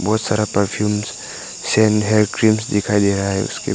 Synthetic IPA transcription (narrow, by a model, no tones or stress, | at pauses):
bɔːt̪saːɾapəɾpʰjuːms | sɛːnɦeːkɾimsd̪ɪkʰaːid̪eɾaaɦɛ̰ʊ̰skḛ